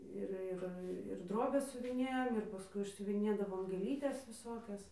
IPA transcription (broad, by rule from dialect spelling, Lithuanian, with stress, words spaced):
ˈɪr ˈɪr ɪr ˈdroːbʲɛs sʲʊʋʲɪˈnʲeːjoːm ɪr pɐˈskʊɪ ɪʃʲsʲʊʋʲɪˈnʲeːdɐʋoːm ɡʲeːˈlʲiːtʲɛs ʋʲɪˈsoːkʲɛs